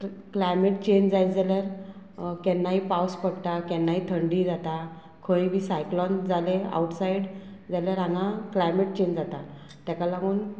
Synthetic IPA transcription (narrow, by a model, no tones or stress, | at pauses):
klajmeʈ̚t͡ɕeɲd͡ʑd͡zajt͡sd͡zaljaɾ | kɛnːaɦipawspəɽt̪akɛnːait̪ʰəɳɖid͡zat̪a | kʰəjbisajklɔnd͡zalea̰uʈsaiɽd͡zaljaɾãŋɡãklajmeʈ̚t͡ɕeɲd͡zat̪a | t̪jakalaɡuːn